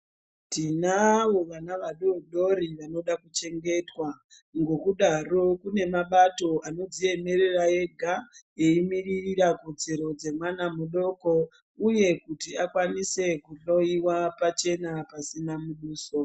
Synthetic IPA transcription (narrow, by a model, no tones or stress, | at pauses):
tinawo̞ʋanaʋaɗoɗo̞ɾiʋano̞ɗakut͡ʃe̞ŋɡe̞twa | ŋɡo̞kuɗaro̞kune̞maɓato̞ʔano̞d͡zie̞me̞ɾe̞raje̞ɡʱaje̞imiririrakod͡zeɾo̞d͡ze̞mwanamuɗo̞ko̞ | uje̞kutiakwanise̞kuɬo̞iwapat͡ʃe̞napasinamuɗuːso